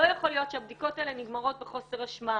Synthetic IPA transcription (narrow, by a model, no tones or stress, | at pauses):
ojaχo̞lijo̞tʃeabdiko̞taeleniɡmaʁo̞t̚beχo̞se̞ʁaʃma